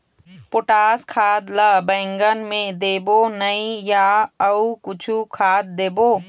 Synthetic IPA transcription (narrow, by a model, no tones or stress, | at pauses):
poʈaːskʰaːd̪ləbɛ̃ːŋɡənmẽd̪eːbonəĩjaəukʊt͡ʃʰukʰaːd̪̚ːeːboː